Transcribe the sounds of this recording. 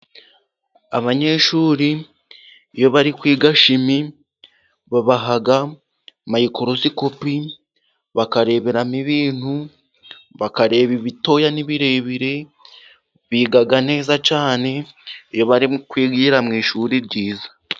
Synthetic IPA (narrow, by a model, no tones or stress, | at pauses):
aβaɲe̞ːʃuːɾiː | jo̞βaɾikwiːɡaʃimi | βaβaɦaɡa | majiko̞ɾo̞ziko̞pi | βakaɾe̞ːβe̞ɾamiβiːn̥hu | βakaɾe̞βiβito̞janiβiɾe̞βiɾe̞ | βiːɡaɡane̞ːzat͡ʃaːne̞ijoβaɾikwiːɡiːɾamŋiːʃuɾiɾɟiːzḁ